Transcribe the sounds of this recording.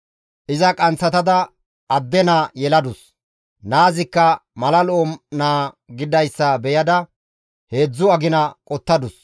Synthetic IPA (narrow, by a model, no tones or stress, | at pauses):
ʔɪzɐkʼɐnt͡sːɐt̪ɐd̪ɐ | ɐd̪ːɛnaːjɛlɐd̪ʊs | naːzɪkːɐmɐlɐloomnaː | ɡɪd̪ɐjsːɐbɛjɐd̪ɐ | he̞ːd͡zːʊɐɡɪnɐkʼɔt̪ːɐd̪ʊs